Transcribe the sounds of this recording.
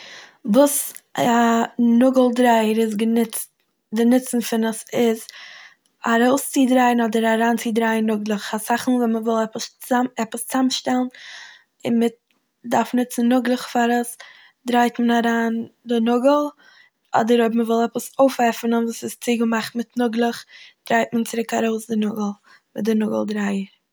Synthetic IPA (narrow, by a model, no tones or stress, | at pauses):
vuːsanʊɡəlˠdɾaɪəɾɪs̬ɡənɪt͡st | dənɪt͡sn̩fɪnəsɪz | aɾoʊst͡sɪdɾaɪənɔdəɾaɾaːnt͡sɪdɾaɪənːʊɡlˠəχasaχn̩vɛnməvɪlˠɛpəsɛpəst͡samʃtɛlˠn | ɪnmɪt̚ | daɾfnɪt͡sn̩ːʊɡlˠəχfaɾəs | dɾaɪtmənaɾaːndɪnʊɡəl̩ˠ | ɔ̰dəɾobməvɪlˠɛpəsoʊfɛfnənvuːsɪst͡sɪɡəmaχtmɪtnʊɡlˠəχd̥ɾaɪtmənt͡sɪɾɪkaɾoʊsdɪnʊɡəl̩ˠ | mɪdɪnʊɡəl̩ˠdɾaɪə